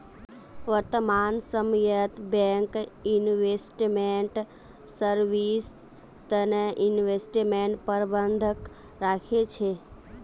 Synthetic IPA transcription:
ʋəɾt̪əmansəmjət̪bɛ̃ŋkinʋesʈmeɳʈ | səɾʋis | t̪əneʔinʋesʈimeɳʈpəɾbənd̪ʱək | ɾakʰet͡ʃʰe

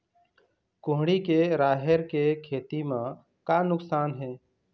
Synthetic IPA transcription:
kʊɦɽ̃ikeɾaːɦeɾkekʰeːt̪imã | kanʊksaːnɦɛ̃ː

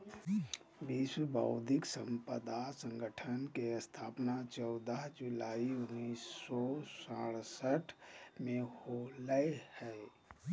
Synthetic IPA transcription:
biːswəbʱa̰ʊd̪ʱɪksə̃mpəd̪asə̃ŋɡəʈʰənkeəst̪ʰaːpnat͡ʃɔʊd̪aɦd͡ʒʊlaːiʊnːiːsːɔsaɽsəʈʰmẽholəehɛː

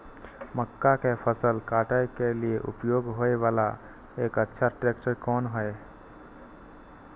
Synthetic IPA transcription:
məkːakepʰəsəlkaʈəkelieʔṵpjoɡɦoeʋala | ekətːʃʰaʈɾek̚t͡ʃəɾkɔnɦəj

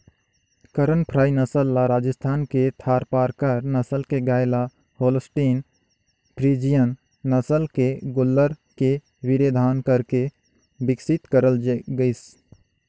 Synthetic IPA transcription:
kəɾənpʰɾaːinəsəlːaɾaːd͡ʒəst̪ʰaːnket̪ʰaːɾpaːɾkaɾnəsəlkeɡaːjla | hoːlsʈiːn | pʰɾiːd͡ʒijənː | əsəlkeɡʊlːəɾke | ʋɪɾeːd̪ʱaːnkəɾke | bɪksɪt̪kəɾəlɡəɪs

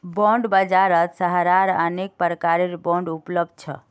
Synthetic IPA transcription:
bɔ̃ɳɖbəd͡ʒaɾət̪səɦɾaɾənek̚pəɾəkaɾeɾbɔ̃ɳɖupləb̚d̪̚t͡ʃʰə̰

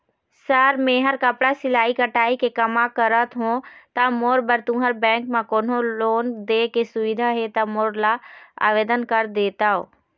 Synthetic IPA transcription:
səɾmẽɦəɾkɐpɽasɪlaːikɐʈaːikekɐmãkəɾət̪ɦõt̪amoːɾbəɾt̪ũɦəɾbɛ̃ːŋkmãkoːn̤oloːnd̪eːkesʊʋɪd̪ʱaɦet̪amoːɾlaa̰ːʋeːd̪ənkəɾd̪eːt̪aːɦo̰ː

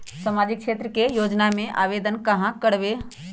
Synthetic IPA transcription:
samaːd͡ʒɪk̚ʃeːt̪ɾəkejoːd͡ʒnamẽʔa̰ːʋeːd̪ənkɐɦãkəɽʋe

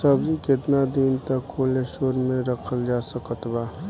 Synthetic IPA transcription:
səbd͡ʒikɪt̪nad̪int̪əkʰːoːleʃoːɾmẽɾəkʰəld͡ʒaːsəkət̪baː

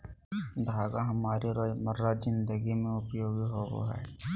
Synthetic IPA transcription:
d̪ʱaːɡaɦɐmaːɾiɾoməɾːazɪnd̪əɡimẽʊpjoːɡiɦoʋo̰ɦɛ̰

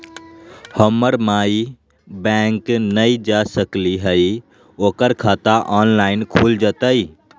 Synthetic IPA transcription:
həməɾmaːi | bɛ̃ːŋknəid͡ʒaːsəkliɦəi | oːkəɾkʰaːt̪aʔaːnlaːɪnkʰuːld͡ʒaːt̪aiː

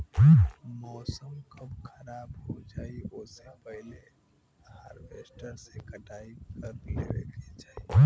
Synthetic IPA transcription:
mɔːsəmkəbkʰəɾaːbɦod͡ʒaːioːsepəɦle | ha̰ɾbesʈəɾsekəʈaikəɾlḛɾḛdid͡ʒaːi

